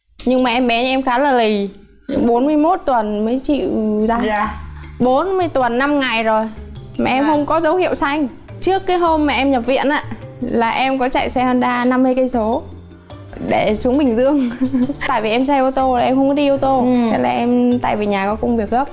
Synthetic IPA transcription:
ɲɨ˧ŋmaː˨˩ʔɛ˧mɓɛ˨˦˧ɛ˧mxaː˨˦laː˨˩li˨˩ | ɓo˨˦nmɨ˧əjmo˦˥t̚t̪wə˨˩nməː˨˦jt͡ɕḭ˧˨zaː˧ | ɓo˨˦nmɨ˧əjt̪wə˨˩nːa˧mŋa˨˩jzo˨˩jmaː˨˩ʔɛ˧mhə˧wŋ͡mkɔ˨˦zə˨˦whḭ˧˨əwsa˧jŋ̟ | t͡ɕɨ˦˥əkːaː˨˦jɦo˧mːaː˨˩ʔɛ˧mɲə˨˩p̚vḭ˧˨ənʔa̰ː˧˨laː˨˩ʔɛ˧mkɔ˨˦t͡ɕa̰˧˨jsɛ˧hə˧nɗaː˧na˧mːɨ˧jkə˧jso˨˦ | ɗe˧˩su˨˦əŋɓï˨˩ŋ̟zɨ˧əŋt̪a̰ː˧˨jvi˨˩ʔɛ˧msa˧jʔə˧wt̪o˧laː˨˩ʔɛ˧mxə˧wŋ͡mkɔ˨˦ɗi˧ʔə˧wt̪o˧ɗa˨˦laː˨˩ʔɛ˧mt̪a̰ː˧˨vi˨˩ɲaː˨˩kɔ˨˦kə˧wŋ͡mvi˨˩ək̚ɣə˦˥p̚

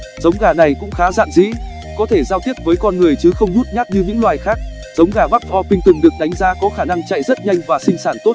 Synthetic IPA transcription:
z̥ə˨˦wŋ͡mɣaː˨˩na˨˩jkʊ̰˧˥ŋ͡mxaː˨˦za̰ː˧˨nzḭ˧˥ | kɔ˨˦t̪ʰe˧˩zaː˧wt̪i˦˥ət̚vəː˨˦jkɔ˧nŋɨ˨˩əjt͡ɕɨ˨˦xə˧wŋ͡mzu˦˥t̚ɲa˦˥t̚ɲɨ˧ɲɨ̰˧˥ŋlwaː˨˩jxaː˦˥k̚ | z̥ə˨˦wŋ͡mɣaː˨˩vaː˦˥k̚ʰɔ˧pï˧ŋ̟t̪ɨ˨˩ŋɗɨ˨˩ək̚ɗa˨˦jŋ̟zaː˨˦kɔ˨˦xaː˧˩na˧ŋt͡ɕa̰˧˨jzə˦˥t̚ɲa˧jŋ̟vaː˨˩sï˧ŋ̟saː˧˩nt̪o˦˥t̚

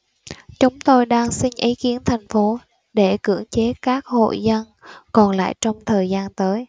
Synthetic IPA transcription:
t͡ɕʊ˨˦ŋ͡mt̪o˧jɗaː˧ŋsï˧ŋ̟ʔi˨˦ki˨˦ənt̪ʰa˨˩ŋ̟fo˨˦ | ɗe˧˩kɨ̰˧˩əŋt͡ɕe˨˦kaː˦˥k̚ho̰˧˨jzə˧nkɔ˨˩nla̰ː˧˨jt͡ɕɔ˧wŋ͡mt̪ʰəː˨˩jzaː˧nt̪əː˨˦j

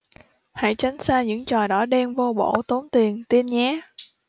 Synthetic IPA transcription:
ha̰˧˥jt͡ɕa˨˦jŋ̟saː˧ɲɨ̰˧˥ŋt͡ɕɔ˨˩ɗɔ˨˥ɗɛ˧mvo˧ɓo̰˧˩t̪o˨˦nt̪i˨˩ənt̪i˧ənɲaː˨˦

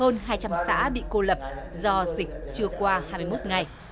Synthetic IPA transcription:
əː˧nɦaː˧jt͡ɕa˧msa̰ː˧˥ɓḭ˧˨ko˧lə˨˩p̚zɔ˧zï˨˩k̟̚t͡ɕɨ˧əkwaː˧haː˧mɨ˧jmo˦˥t̚ŋa˨˩j

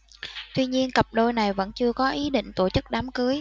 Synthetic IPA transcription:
t̪wi˧ɲi˧ənkə˨˩p̚ɗo˧jna˨˩jvə̰˧˥nt͡ɕɨ˧əkɔ˨˦ʔi˨˦ɗḭ˧˨ŋ̟t̪o˧˩t͡ɕɨ˦˥k̚ɗaː˨˦mkɨ˨˦əj

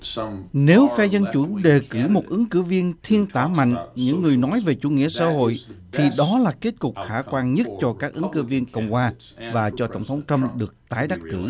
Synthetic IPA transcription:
ne˨˦wfɛ˧zə˧nt͡ɕu˧˥ɗe˨˩kɨ˧˩mo˨˩t̚ʔɨ˨˦ŋkɨ˧˩vi˧ənt̪ʰi˧ənt̪aː˧˩ma̰˧˨jŋ̟ɲɨ̰˧˥ŋːɨ˨˩əjnɔ˨˦jve˨˩t͡ɕṵ˧˥ŋḭ˧˥əsa̰ː˧˥ɦo̰˧˨jt̪ʰi˨˩ɗɔ˨˦laː˨˩ke˦˥t̚kʊ˨˩k͡p̚xaː˧˩kwaː˧nɲə˦˥t̚t͡ɕɔ˧kaː˦˥k̚ʔɨ˨˦ŋkɨ̰˧˩vi˧ənkə̰˧˩wŋ͡mkwaː˧˩vaː˨˩t͡ɕɔ˧t̪ə̰˧˩wŋ͡mt̪ʰə˨˦wŋ͡mt̪ə˧mɗɨ˨˩ək̚t̪aː˨˦jɗa˦˥t̚kɨ̰˧˩

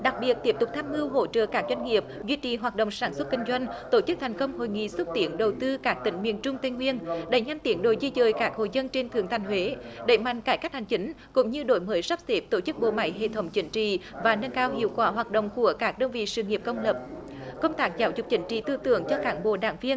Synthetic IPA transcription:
ɗa˨˩k̚ɓi˨˩ət̚t̪i˦˥əp̚t̪ʊ˨˩k͡p̚t̪ʰaː˧mɨ˧wɦo̰˧˦t͡ɕə̰ː˧˨kaː˦˥k̚zwa˧jŋ̟ŋi˨˩əp̚zwi˧t͡ɕḭ˧˨˩ɦwaː˨˩t̚ɗo̰˧˨wŋ͡msaː˧˩nswə˦˥t̚kï˧ŋ̟zwa˧jŋ̟t̪o˧˩t͡ɕɨ˦˥k̚t̪ʰjŋ̟kə˧wŋ͡mho̰˨jŋḭ˧˨swə˦˥t̚t̪i˧˩ənɗə˨˩wt̪ɨ˧kaː˦˥k̚t̪ï˨˩˦ŋ̟mḭ˧˨ənt͡ɕʊ˧ŋ͡mt̪e˧ŋŋwi˧ənɗe˧˩˦jɲa˧mt̪i˨˦ənɗo˧˩jzi˧zəː˨jkaː˦˥k̚ho̰˧˨jzə˧nt͡ɕe˧nt̪ʰɨ˨˩əŋt̪ʰa˨˩ŋ̟hwe˨˦ɗe˧˩ma̰˧˨ŋ̟kaː˧˩jkk̚ha˨˩ŋ̟t͡ɕï˨˦ŋ̟ | kʊ̰˧˥ŋ͡mɲɨ˧ɗo˧˩˦jməː˨˦jsa˦˥p̚se˦˥p̚t̪o˧˩t͡ɕɨ˦˥k̚ɓo̰˧˨ma̰˧˩jɦḛ˧˨t̪ʰə˨˦wŋ͡mt͡ɕï˨˦ŋ̟t͡ɕḭ˧˨vaː˨˩nə˧nkaː˧whḭ˧˨əwkwaː˧˩ɦwaː˨˩t̚ɗo̰˧˨wŋ͡mku˧˩əkaː˦˥k̚ɗəː˧nvḭ˧˨sɨ̰˧˨ŋi˨˩əp̚kə˧wŋ͡mləː˨˩p̚ | kə˧wŋ͡mt̪aː˦˥k̚zaː˨˦wzʊ˨˩k͡p̚t͡ɕï˨˦ŋ̟t͡ɕḭ˧˨t̪ɨ˧t̪ɨ̰˧˩əŋt͡ɕɔ˧kaː˨˦nɓo̰˧˨ɗaː˧˦ŋvi˧ən

